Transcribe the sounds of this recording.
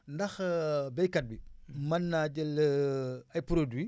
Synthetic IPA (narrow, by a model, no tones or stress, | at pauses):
ndɐxbɛjkɐt̚bimɐnːaɟəl | ɐjpɾodwi